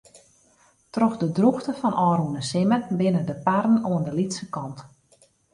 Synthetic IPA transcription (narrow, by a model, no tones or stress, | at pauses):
trɔxdədruxtəfɔnʔɔːɾunəsɪmənbɪnədəparn̩oəndəlitsəkɔnt